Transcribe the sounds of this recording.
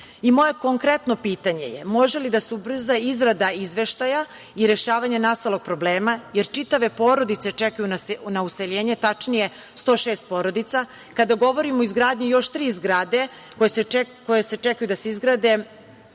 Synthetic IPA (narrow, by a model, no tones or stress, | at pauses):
imo̞je̞ko̞ŋkɾe̞t̪no̞piːt̪aɲe̞̰jḛmo̞ʒelid̪asubr̩zaizɡɾad̪aizʋe̞ʃt̪aja | iɾe̞ʃaːʋaɲanast̪alˠo̞ɡ̚pɾo̞bleːmajeɾt͡ʃit̪aʋe̞po̞ːɾo̞d̪it̪se̞t͡ʃɛkajunasnauseʎeːɲe̞t̪at͡ʃnije̞ | st̪o̞ːʃeːst̪̚poɾo̞d̪it̪sa | kad̪aɡo̞ʋo̞ɾimoizɡɾaːd̪ɲijo̞ʃt̪ɾiːzɡɾaːd̪e̞ | kojekojese̞t͡ʃɛkajud̪aseizɡɾad̪e̞